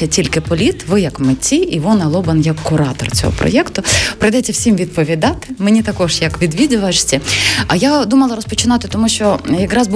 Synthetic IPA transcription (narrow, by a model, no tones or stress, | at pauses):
ɐtʲilʲkɪpɔlʲit̪ʋɪjɐkmɪt͡sʲiʔiʋɔnɐlˠɔbɐnjɐkːʊɾɑt̪ɔ̰rt͡sʲɔ̰ɦɔ̰pɾɔ̰jɛkt̪ʊpɾɪjd̪ɛtʲːɐwsʲimʋʲid̪̚pɔʋʲid̪ɑt̪ɪ̥menʲit̪ɐkɔʒjɐkʋʲid̪ʋʲid̪ʲʊʋɐʃsʲɐɐjad̪umɐlˠɐɾɔspɔt͡ʃɪnɑt̪ɪt̪ɔmuʃt͡ʃɔjɐkɾɑzb